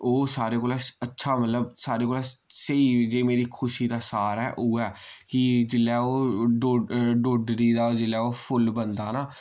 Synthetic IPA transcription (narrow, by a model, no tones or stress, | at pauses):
oːsaːɾeːkoːlaːətːʃʰaːmət̪ləbsaːɾeːkoːlaːsəiːd͡ʒeːmeːɾiːkʰʊʃiːd̪aːsaːɾɦɛːʔoːɛːkɪd͡ʒɪlːɛːoːɖoɖoːɖɾiːd̪aːd͡ʒɪlɛːoːpʰʊlbənd̪aːnaː